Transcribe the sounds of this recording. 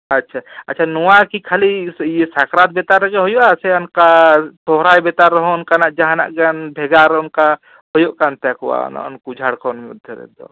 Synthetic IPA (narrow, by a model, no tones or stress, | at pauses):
ɐtːʃʰaɐtːʃʰanɔwakikʰalijesakɾat̪̚bet̪aɾəkeɦɔjoʔasenkat̪ɔɦɾajbet̪aɾːɐɦõʊnkanaʔd͡ʒaɦana̰ʔɡanbʱeɡaɾʊnka | hɔjoʔkant̪akwa̰n̰nkud͡ʒʱaɽkɔnmud̪ʱjəɾɛ̰d̪o̰